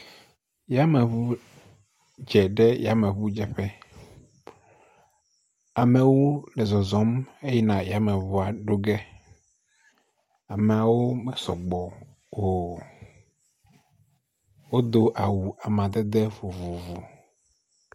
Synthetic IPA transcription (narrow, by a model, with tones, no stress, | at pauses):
ja˦mɛ˨βu˦ | d͡ʒɛ˨ɖɛ˦ja˨˦mẽ˨βu˦d͡ʒɛ˨ɸɛ˦ | a˨mɛ̃˨wo˦lɛ˨zɔ˨zɔ˨˦me˦ji˦nã˨ja˨mɛ̃˨βu˦a˨ɖo˦ɡɛ˦ | a˨me˨a˨wo˦mɛ˨sɔ̰˨ɡ͡bɔ˨ | wo˨ | wo˦d̪o˦ʔa˨wu˨a˨mã˨d̪ɛ˦d̪e˦vu˨vu˨vu˨